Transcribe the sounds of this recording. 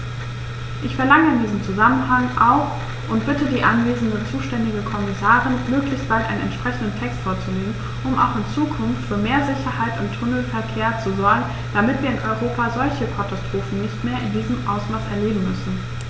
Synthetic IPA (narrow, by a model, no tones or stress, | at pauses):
ʔɪçfɛɐlaŋəɪndiːzəm̩t͡suzamənɦaŋʔaʊx | ʔʊntb̥ɪtədiːʔanveːzn̩dət͡suːʃtɛndɪɡəkʰɔmɪsaːʁɪnmøːklɪçst̚b̥altʔaɪnənʔɛ̰nʃpʁ̥ɛçn̩dən̩tʰɛkstfoːɐt͡suleːɡŋ̩ | ʔʊmʔa̰ʊxɪnt͡suːkʰʊnftfyːɐmeːɐzɪçɐhaɪtʊntʰːʊnl̩fɛɐkʰeːɐt͡suzɔɐɡŋ̩ | d̥amɪtv̥iːɐɪnʔɔʏʁoːpazɔlçəkʰatastʁ̥oːfn̩nɪçtmeːɐʔɪndiːzəmʔa̰ʊsmaːsɛɐleːbm̩mʏsn̩